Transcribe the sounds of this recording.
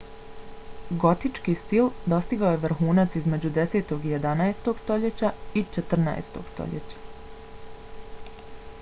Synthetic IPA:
ɡo̞t̪it͡ʃkist̪ild̪o̞st̪iɡaoje̞ʋr̩xuːnat̪sizme̞d͡ʑud̪e̞seːt̪o̞ɡije̞d̪anaest̪o̞ɡ̥st̪o̞ʎe̞t͡ɕait͡ʃet̪r̩na̰ḛst̪o̞̰ɡ̥st̪o̞̰ʎḛt͡ɕḁ

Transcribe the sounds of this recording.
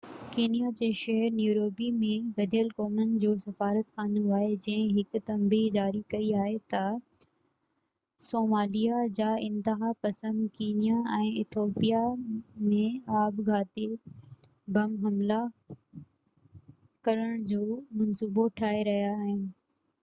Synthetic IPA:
keːnijad͡ʑeːʃɐɦəɾnjuːɾoːbimẽʋɐd̪ʱijəlkoːmənɪ̆d͡ʑoːsɐfaːɾət̪xaːnũaːɦed͡ʑɐ̃ɦɪ̃ɦɪkʊt̪ɐ̃mbid͡ʑaːɾikɐiaːɦet̪ɐ | soːmaːlijad͡ʑaːɪ̃nt̪əɦapɐsə̃nd̪keːnijaɛ̃ːɪt̪ʰoːpijamẽaːbɡʱaːt̪e | bʱɐmɦɐmla | kɐɾəɽ̃d͡ʑoːmɐnsuːboʈʰaːɦeɾɐɦijaːɦɪnɪ̆

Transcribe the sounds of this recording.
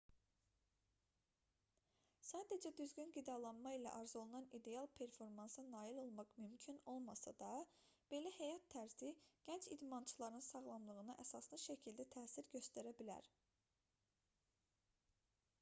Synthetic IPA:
sɑːd̪ed͡ʒæd̪yzɡynɡid̪ɑlˠɑnmɑilæ̰ʔɑɾzo̞lˠɯnɑnid̪e̞jɑlˠpʰe̞ɾfo̞ɾmɑnsɯnɑːilo̞lˠmɑqmymcʰyno̞lˠmɑsɑ̰d̪ɑ | b̥e̞læhæjɑt̪ʰːæɾziɟ̥ænt͡ʃid̪mɑnt͡ʃʰɯlˠɑɾɯnɯnsɑʁlˠɑmlˠɯʁɯnɯʔæsɑslˠɯʃæcʰild̪æt̪ʰæːsiɾɟø̞st̪æɾæbilæ̰ɾ

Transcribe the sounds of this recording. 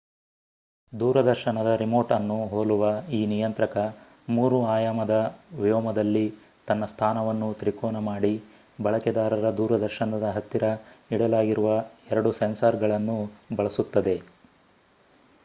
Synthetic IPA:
d̪uːɾɐd̪ɐɾʃɐnɐd̪ɐɾimoːɾʈɐnːuɦoːluʋɐiːnijɐnt̪ɾɐkɐ | muːɾuaːjaːmɐd̪ɐʋijɔːmɐd̪ɐlːi | t̪ɐnːɐst̪ʰaːnɐʋɐnːut̪ɾikoːnɐmaːɽi | bɐɭɐkɛd̪aːɾɐɾɐd̪uːɾɐd̪ɐɾʃɐnɐd̪ɐɦɐt̪ːiɾɐiɽɐlaːɡiɾuʋɐɛɾɐɽusensɐɾɡɐɭɐnːubɐɭɐsut̪ːɐd̪e̞

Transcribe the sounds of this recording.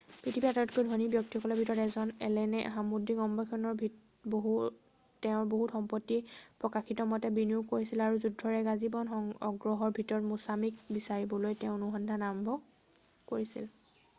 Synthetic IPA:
pɹitʰibiataɔt̚kojdʱonibjɔk̚tiɔkɔlɔbʱitɔɹɔtɛzɔnɛ̰lɛnɛɦamudʱiɡɔmbʱɔkʰɔnɔɹbʱi | boɦu | tɛʊ̃ɹboɦutxɔmpɔtːipɹɔkaxitɔmɔtɛbiniukoɹisilaɹuzudʱːɔɹɛɡazibɔnɔŋɔɡɹɔɦɔɹbʱitɔɹɔtmusamik̚bisaɹibɔlojtɛʊ̃nuɦɔndʱanaɹɔmbʱɔ | koɹisḭl

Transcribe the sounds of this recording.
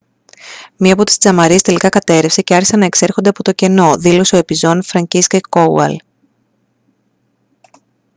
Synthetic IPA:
miɐpo̞t̪i̥st͡sɐmɐɾie̞st̪e̞likɐkɐt̪e̞ɾefse̞ceɐɾçisɐnɐe̞kse̞ɾxond̪eɐpo̞t̪o̞ce̞no̞ðilo̞se̞o̞e̞pizo̞nfɾɐɲciscekow̰ɐ̰l

